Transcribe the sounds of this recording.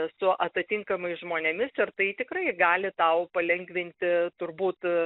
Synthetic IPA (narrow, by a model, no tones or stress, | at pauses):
sʊʔɐt̪ɐt̪ʲiŋkɐmɐɪsʒmoːnʲɛmʲɪsɪrt̪ɐɪt̪ʲɪkrɐɪɡɑːlʲɪt̪ɐʊpɐlʲɛŋɡʋʲɪnʲt̪ʲɪt̪ʊrbuːt̪